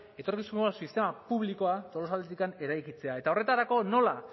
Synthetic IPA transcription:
e̞t̪o̞ɾkisumasist̪e̞mapuβliko̞at̪o̞lo̞sald̪et̪̬ikane̞ɾajkit͡se̞ae̞t̪ao̞re̞t̪aɾako̞no̞la

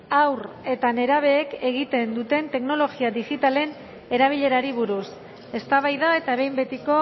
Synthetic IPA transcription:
awr | e̞t̪ane̞ɾaβ̞e̞ːke̞ɣ̞it̪e̞nd̪ut̪e̞nt̪e̞kno̞lo̞ɣiaðiɣit̪ale̞n | e̞ɾaβ̞iʎe̞ɾaɾiβ̞uɾus | e̞st̪aβajðae̞t̪aβe̞jmbe̞t̪iko̞

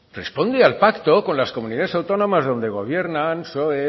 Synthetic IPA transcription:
re̞̰spo̞nd̪ealpakt̪o̞ko̞nlasko̞muniðaðesawt̪o̞nõ̞mazðo̞nd̪e̞ɣ̞o̞β̞je̞ɾnansoβe

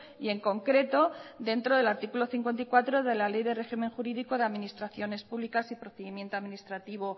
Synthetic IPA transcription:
ie̞ŋko̞ŋkɾe̞t̪o̞ðe̞nt̪ɾoð̞e̞laɾt̪ikulo̞θiŋkwe̞nt̪aikwat̪ɾo̞ðe̞lale̞jðe̞re̞ximẽ̞ŋxuɾiðiko̞ðeaðminist̪ɾaθjo̞ne̞spuβlikasipɾo̞θeðimje̞nt̪oaðmĩnist̪ɾat̪iβ̞o

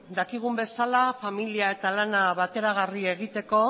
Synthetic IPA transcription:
d̪akiɣ̞umbe̞salafamiliae̞t̪alanaβat̪e̞ɾaɣ̞arie̞ɣ̞it̪e̞ko̞

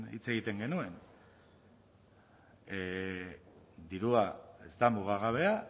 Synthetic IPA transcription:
ḭt͡se̞ɣit̪e̞ŋɡe̞nue̞n | d̪iɾuae̞zt̪amuɣ̞aɣ̞aβ̞e̞a

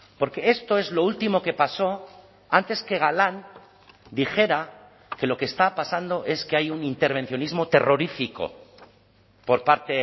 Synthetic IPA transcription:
po̞ɾke̞est̪o̞e̞zlo̞ult̪imo̞ke̞paso̞ | ant̪e̞ske̞ɣ̞alan | d̪ixe̞ɾa | ke̞lo̞keːst̪apasand̪o̞ʔe̞skeajunint̪e̞ɾβ̞e̞n̟θjo̞nizmo̞t̪e̞̰ro̞ɾifiko̞̰ | po̞ɾpaɾt̪e

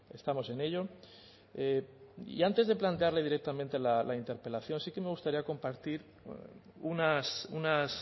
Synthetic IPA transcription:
e̞st̪amo̞se̞ne̞ʎo̞ | eḭant̪e̞zðe̞plant̪e̞aɾle̞ð̞iɾe̞k̚t̪amẽ̞nt̪e̞lalaint̪e̞ɾpe̞laθjo̞nsike̞me̞ɣ̞ust̪aɾiako̞mpaɾt̪iɾ | unasunas

